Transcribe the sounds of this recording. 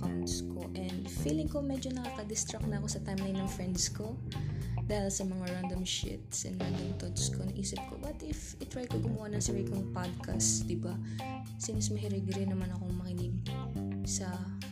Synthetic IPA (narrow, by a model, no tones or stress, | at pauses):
kat̪sko̰ʔɛnd̪fiːlɪŋkomɛd͡ʒonɐkaːkɐd̪ɪst̪ɾak̚nɐɐko̞sɐt̪ajmlajnnɐŋfɹɛnd̪sko̞ | d̪aːhɪlsɐmɐŋaɹand̪omʃɪ̰t̪sʔɛ̰nɾand̪oŋt̪ot̪skonɐŋʔiːsɪp̚ko̰bɐt̪ʔɪf | ɪt̪ɹajkoɡʊmɐwanɐŋsɐɹikoŋpad̪̚kʰa̰std̪ɪba | sɪnsmɐɦɪɾɛɡɾɪnɐmanɐko̞ŋmɐkɪnɪɡ̚ | sɐ